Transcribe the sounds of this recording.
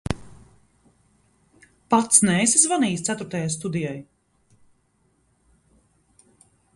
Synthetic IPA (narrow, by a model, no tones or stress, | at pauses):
pat̪snɛːsazvaniːst̪sæt̪uɾt̪ajast̪ud̪ijaj